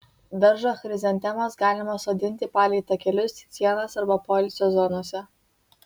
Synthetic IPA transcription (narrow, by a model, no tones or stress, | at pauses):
d̪ɐɾʒoxɾʲɪzʲɛnʲt̪ʲɛmɐsɡɑːlʲɪmɐsoːd̪ʲɪnʲt̪ʲɪpɑːlʲɛɪt̪ɐkʲɛlʲʊst̪sʲiɛnɐsɐɾbɐpɔlʲɪsʲɛzɔnuɔsʲɛ